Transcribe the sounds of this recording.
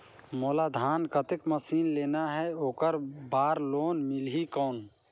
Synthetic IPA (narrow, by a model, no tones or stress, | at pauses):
moːlad̪ʱaːnkət̪ɪkməsiːnleːnaɦɛoːkəɾbaːɾloːnmɪlɦikɔːn